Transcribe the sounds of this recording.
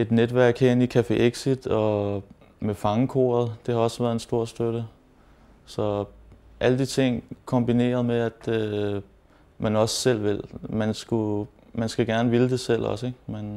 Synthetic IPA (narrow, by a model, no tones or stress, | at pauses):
e̝d̥ned̥ʋæɐ̰ɡ̥heɐenikʰæfe̝ʔeɡ̥sid̥ɒ̽ | mefɑ̈ŋəkʰo̝̰ːɐð̞̩ˠd̥e̝hɑ̈ɒ̽sʋæːɐð̩ˠe̝nsd̥o̝ɐ̰sd̥øɾ̥ə | sɒ̽ʔæləd̥it͡sʰe̝ŋ̰kʰɒ̽mb̥ine̝̰ːɐð̞̩ˠmeæd̥ | mænɒ̽ssel̰ʋe̝lmænsɡ̥u | mænsɡ̥æɡ̥æɐnəʋiləd̥e̝sel̰ɒ̽seɡ̥men